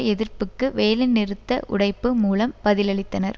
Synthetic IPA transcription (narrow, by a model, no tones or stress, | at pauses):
ɛðɪrpɯkːɯʋeːlɪnɪɾɯt̪ːɐʔʊ̰ɽɐɪpːɯmuːlɐmpɐðɪlɐɭɪt̪ːɐnɐɾ